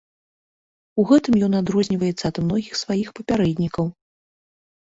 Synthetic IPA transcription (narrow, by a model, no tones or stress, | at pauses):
uɣɛt̪ɨmjɔnad̪ɾɔzʲnʲivɐjɛt̪sːɐːd̪mnɔɣʲixsvajixpɐpʲaɾɛd̪ʲnʲikɐw